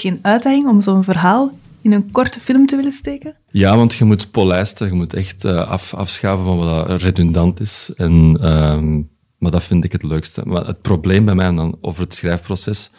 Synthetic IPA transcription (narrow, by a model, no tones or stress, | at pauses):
xeːnœɥtdɛɣɪŋɔmzoːənvərɦaːlˠɪnənkɔrtəfɪlˠmtəʋɪləsteːkə | jaːʋɑntxəmutpolɛstəɣəmutʰɛxtəːʔɑ̰fɑ̰fsxaːvənvɑnʋɑdɑredyndɑntɪsɛnə | maːdɑfɪndɪkɦətløːkstə̰ma̰ə̰t̚probleːmbɛjmɛɛndɑno̰ːvərɦətsxrɛjfprosɛs